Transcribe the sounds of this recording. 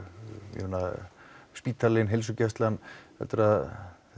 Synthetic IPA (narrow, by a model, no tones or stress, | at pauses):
jɛ̰mɪnːa | spiːt̪ʰalɪnɦels̬ʏcɛst̪lanːhɛ̰t̪ʏɾað